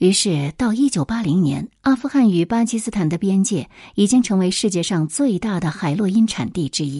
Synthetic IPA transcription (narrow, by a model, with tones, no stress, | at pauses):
y˧˥ʂɻ̩˥˩t̪ɑ˥˩ʊi˥t͡ɕjo˨˩ʊpa˥li˧˥ŋnjɛ̰˧˥na˥fu˥˧xa˥˩ny˨˩pa˥t͡ɕʰi˥sɹ̩˥t̪ʰa˨˩nd̪ə˦˧pjɛ˥nt͡ɕjɛ˥˩i˨˩t͡ɕi˥ŋʈ͡ʂʰɤ˧˥ŋwe˧˥ɪʂɻ̩˥˧t͡ɕjɛ˥˧ʂɑ˥˧ŋt͡swe˥˧ɪt̪a˥˩d̪ə˩xa˨˩ɪlwɔ˥˩i˥nʈ͡ʂʰa̰˨˩nt̪i˥˩ʈ͡ʂɻ̩˥i˥